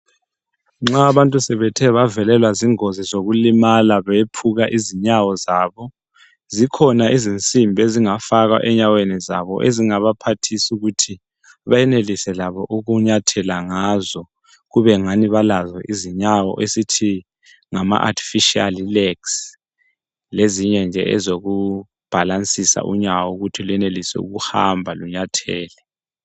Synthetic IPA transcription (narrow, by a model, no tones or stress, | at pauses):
ŋ͡ǁaːβantʼusɛβɛtʰɛβavɛlɛlwaziŋozizoɣulimalaβɛpʰuɣaʔiziɲawɔzaːβɔ | zikʰɔnaʔizint͡sʼimbʱeziŋafaɣa̰ʔɛɲawenɛza̰βɔ̰ʔeziŋaβapʰatʰisuɣutʰi | βajɛnelisɛlaβɔʔuɣuɲatʰɛlaŋazɔ | ɣuβɛŋaniβalazɔʔiziɲawɔ̰ʔesitʰi | ŋama̰ʔa̰tʰi̥fiʃia̰lilɛks | leziɲɛnd͡ʒʱɛ̰ɛzoɣu | b̥ʱalant͡sʼisa̰ʔṵɲawɔuɣutʰilɛnelisɛ̰ṵɣuha̰mbʱaluɲatʰɛːlɛ